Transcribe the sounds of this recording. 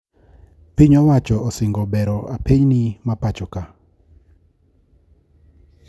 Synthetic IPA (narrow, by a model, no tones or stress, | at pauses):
piɲɔwat͡ʃɔɔsɪŋɡɔbɛɾɔapeɲnimapat͡ʃɔka